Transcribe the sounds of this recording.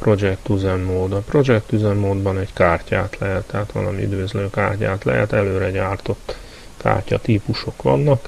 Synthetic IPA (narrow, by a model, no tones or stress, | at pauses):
pro̞d͡ʒɛk̚t̪uzɛmːoːd̪ɒpro̞d͡ʒɛkt̪yzɛmːoːd̪bɒnɛɟkaːrcaːt̪lɛɦɛt̪ːɛɦat̪ʋɒ̰lɒmiy̰d̪ʋøzløːka̰ːrcaːt̪lɛ̰ɦɛ̰t̪ɛløːɾɛɟaːrt̪o̞t̪ː | ka̰ːrcɒ̰t̪iːpuʃo̞kʋɒ̰nːɒk